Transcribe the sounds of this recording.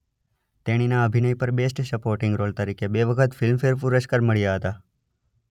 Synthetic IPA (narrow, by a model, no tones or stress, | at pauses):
t̪eɽ̃inaəbʱinəipəɾbesʈsəpoɾʈɪ̃ŋɡɾolt̪əɾikebeʋəkʰət̪fɪlmfeɾfuɾəʃkəɾməɭijaɦət̪a